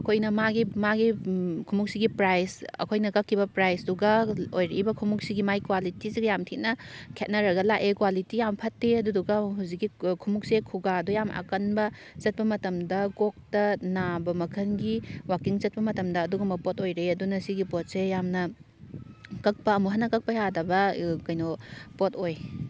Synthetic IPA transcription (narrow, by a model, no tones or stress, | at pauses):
ɐkʰojnɐmaɡimaɡikʰumuk̚siɡipɾajsɐ̰kʰojnɐkɐkʰːibɐpɾajsduɡɐojɾeʔibɐkʰumuk̚siɡimajkwalitisiɡɐjamtʰit̚nɐkʰet̚nɐɾɐɡɐlakekwalitijampʰɐtːeɐduduɡɐɦuzik̚ɡikʰumuk̚sekʰuɡaɐdujamʔɐ̰kɐnbɐ | zɐt̚pɐmɐtɐmdɐɡok̚tɐnabɐmɐkʰɐnɡiwakiŋzɐt̚pɐmɐtɐmdɐːduɡɐmɐpotojɾeɐdunɐsiɡipot̚sejamnɐ | kɐk̚pɐɐmuɦɐnːɐkɐk̚pɐjadɐbɐkɐjnɔpotoj